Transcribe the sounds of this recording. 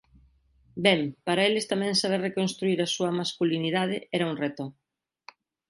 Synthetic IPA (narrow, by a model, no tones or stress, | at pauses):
bɛmpaɾɐelɪst̪amɛ̃ŋsaβerekonst̪ɾuiɾɐsuɐmaskuliniðað̞ɪɛɾɐuŋret̪o